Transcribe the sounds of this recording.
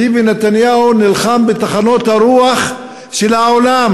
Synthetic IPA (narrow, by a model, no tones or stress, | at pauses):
ivinet̪anjaunilχambet̪aχano̞t̪haɾuaχ | ʃelhaolam